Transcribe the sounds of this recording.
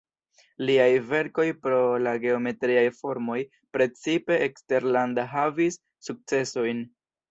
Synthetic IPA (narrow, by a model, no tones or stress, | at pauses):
liajve̞ɾko̞jpɾo̞laɡe̞o̞me̞tɾiajfo̞ɾmo̞j | pɾe̞t͡sipe̞ʔːkste̞ɾlandaɦavisː | uk̚t͡se̞so̞jn